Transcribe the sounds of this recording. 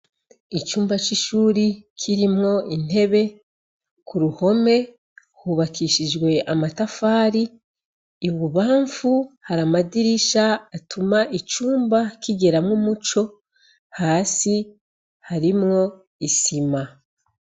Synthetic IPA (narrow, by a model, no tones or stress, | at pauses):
it͡ʃuːmbat͡ʃiʃuːɾikʰiɾimŋo̞in̥e̞βe̞ | kuɾuho̞me̞ | huβakiʃid͡ʒɡwe̞ʔamatafaːɾiː | βuβaːɱfuhaɾamadiɾiʃaːtumaʔit͡ʃuːmbakiɡe̞ɾamŋumut͡ʃo̞ | haːsi | haɾimŋo̞ | isima